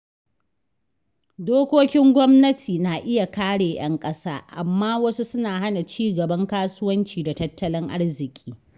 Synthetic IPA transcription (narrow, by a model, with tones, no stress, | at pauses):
doː˦kʷoː˦kʲɪ˦ŋɡʷɔ˦mnɐ˦tʰiː˨naː˨ʔɪ˦ja˨kaː˦ɽeː˨j̰ɐ̰˦ŋkʼɐ˦saː˦ʔa˨mːaː˦wɐ˦su˦sʊ˦naː˨ɦa˦na˨t͡ʃiː˦ɡɐ˨bɐ˦ŋkaː˦sʊ˦wɐ˦nt͡ʃiː˨da˨tɐ˦tːɐ˦lɪ˦ŋʔa̰˦ɽzɪ˨kʲʼiː˦